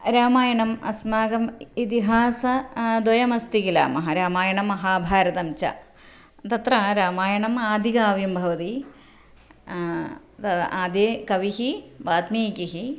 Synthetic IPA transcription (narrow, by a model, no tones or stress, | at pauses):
ɾaːmaːjɐɳɐmɐ̰smaːɡɐmit̪iɦaːsɐd̪wɐjɐmɐst̪ikila̰ːmɐɦɐɾaːmaːjɐɳɐmɐɦaːbʱaːɾɐd̪ɐmt͡ɕɐ̰ | t̪ɐt̪rɐɾaːmaːjɐɳɐmaːd̪ʱikaːʋjɐmbʱɐʋɐt̪i | t̪aːd̪jekɐʋiɦiʋaːt̪miːkiɦi